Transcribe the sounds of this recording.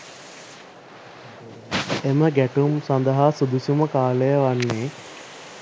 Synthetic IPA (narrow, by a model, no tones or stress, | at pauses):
eməɡæʈumsand̪əɦaːsud̪usuməkaːləjəʋanːeː